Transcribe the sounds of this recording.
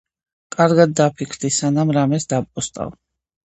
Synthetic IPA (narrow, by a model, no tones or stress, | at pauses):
kʼaɾɡad̪̚ːapʰikʰɾd̪isanamɾamɛsd̪apʼɔst̪ʼa̰v